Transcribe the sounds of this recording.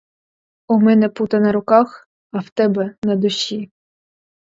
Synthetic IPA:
ʊmɛnɛput̪ɐnɐɾʊkɑx | ɐwt̪ɛbɛnɐd̪ʊɕʲi

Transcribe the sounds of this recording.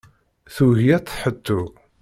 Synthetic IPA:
θuʝjæt͡s̪ˤːħət̪ːu

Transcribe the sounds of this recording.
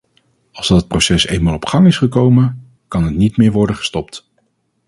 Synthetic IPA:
ɑlˠzdɑtət̚prowsɛsḛjnmaːlˠɔpχɑŋɪsχəkowmən | kɑnətnitmɪːɹʋɔɹdəχə̥stɔp̚t

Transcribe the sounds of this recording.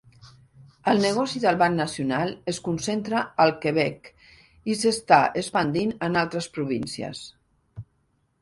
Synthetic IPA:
əlˠnəɣ̞ɔsiðəlˠβannəsjunalˠəskunsent̪ɾəəlˠkəβɛk | isəst̪aʔəspənd̪inənalˠt̪ɾəspɾuβ̞insiə̰s

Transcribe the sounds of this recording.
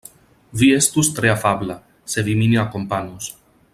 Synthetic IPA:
viest̪ust̪ɾeafabla | seviminiakompanus

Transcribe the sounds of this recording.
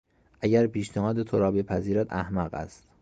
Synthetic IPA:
ʔæɟæɾpiːʃnehɒːd̪et̪ʰoɾɒːbepʰæziːɾæd̪æhmæɢæ̰st̪

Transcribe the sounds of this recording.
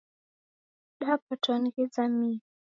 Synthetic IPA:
ɗapatʰɔnɣid͡zami

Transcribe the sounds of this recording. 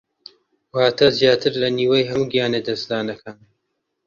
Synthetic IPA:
waːt̪ʰɐzjaːt̪ʰɨɾlɐniːwɐjɦɐmuːɡijaːned̪ɐsd̪aːnɐkʰan

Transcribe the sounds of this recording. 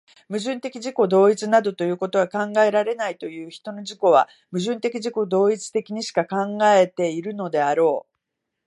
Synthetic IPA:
mɯ̟ʑɨ̃nt̪e̞kʲiʑiko̞d̪o̞ːit͡sɨnad̪o̞t̪o̞jɯ̟ːko̞t̪o̞ɡakãŋɡae̞ɾaɾe̞nait̪o̞jɯ̟ːçi̥t̪o̞no̞ʑiko̞β̞a̰ | mɯ̟ʑɨ̃nt̪e̞kʲiʑiko̞d̪o̞ːit͡sɨ̥t̪e̞kʲiɲ̟iɕi̥kakãŋɡae̞t̪e̞iɾɯ̟no̞d̪e̞aɾo̞ː

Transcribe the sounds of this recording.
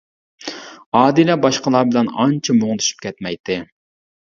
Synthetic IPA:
ɑːd̪ilɛbɑʃqəlˠɑːbɪlɛnɑnt͡ʃʰɛmoʁt̪ʰy̥ʃy̥p̚kʲʰɛt̪mɛjt̪ʰɪ

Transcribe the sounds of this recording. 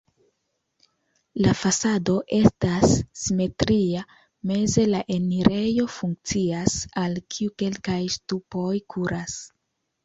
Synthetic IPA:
lafasado̞ʔe̞stasːime̞tɾia | me̞ze̞laʔe̞niɾe̞jo̞fuŋk̚t͡siasalkʰiuke̞lkajstupo̞jkʰuɾas

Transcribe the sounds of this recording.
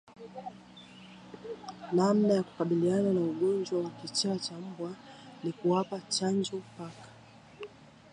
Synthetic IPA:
namnajaku̥kaɓiliananauɠɔnd͡ʒwawakit͡ʃaːt͡ʃam̩bwanikuwapat͡ʃand͡ʒɔpakḁ

